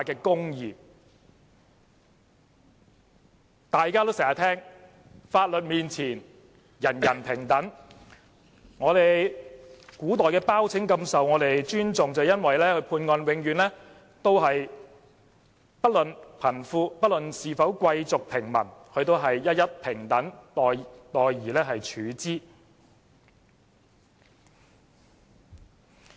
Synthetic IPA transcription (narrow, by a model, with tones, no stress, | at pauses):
aː˧kɛː˧kʊ˥ŋjiː˨˩ | t̪aː˨jkaː˥t̪o˥wsɛ˨˩jaː˨˩t̪ʰɛː˥ŋ | faː˧t̚lɵ˨t̚miː˨nt͡sʰiː˨˩n | jɐ˨˩njɐ˨˩npʰɪ˨˩ŋt̪ɐ˨˥ŋ | ŋɔː˨˧ɾe˨j | kuː˨˥t̪̬ɔː˨˩jkɛː˧paː˥wt͡sʰɪ˨˥ŋkɐ˧msɐ˨wŋɔː˨˧ɾe˨jt͡ʃyː˥nt͡sʊ˨ŋt͡sɐ˨jɐ˥nwɐ˨jlɛː˥kʰɵ˨˧ɥpʰuː˧nŋɔː˧nwɪ˨˧ŋjyː˨˦nlɛː˥ | t̪o˥wɦɐ˨j | pɐ˥t̚lɵ˨npʰɐ˨˩nfuː˧pɐ˥t̚lɵ˨nsiː˨˧fɐ˨˥wkʷɐ˧jt͡sʊ˨k̚pʰɪ˨˩ŋmɐ̰˨˩nkʰɵ˧ɥt̪o˥wɦɐ˨jːɐ˥t̚jɐ˥t̚pʰɪ˨˩ŋt̪ɐ˨˥ŋt̪ɔː˨jt̪ɔː˨jjiː˨˩lɛː˥ɦɐ˨jt͡ʃʰyː˨˥t͡siː˥